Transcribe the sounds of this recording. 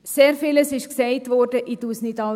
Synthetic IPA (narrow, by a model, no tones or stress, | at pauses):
seːɾfiːləsɪʃksɛɪtʋɔɾdəʔidusnidɑ